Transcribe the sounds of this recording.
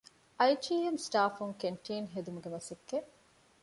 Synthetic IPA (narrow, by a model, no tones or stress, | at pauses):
ʔɐjʈiːemsʈaːfuŋkeɳʈiːnɦed̪umuɡemɐsekːeʔ